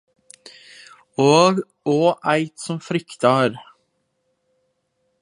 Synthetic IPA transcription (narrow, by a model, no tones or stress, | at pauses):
oːɡ | oːʔæɪt̪sɔmfɾʏkt̪ɑɾ